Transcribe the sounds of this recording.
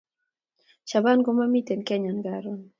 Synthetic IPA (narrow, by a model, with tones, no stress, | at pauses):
ʃa˨ba˦nɡɔ˦ma˦mi˦t̪ɛ˨nkɛ˦ɲa˨nɡaɾɔn